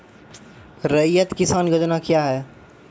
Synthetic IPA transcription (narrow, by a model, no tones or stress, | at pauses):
ɾɐjət̪kɪsaːnɡɐd͡ʒ̪nakjaːɦɛː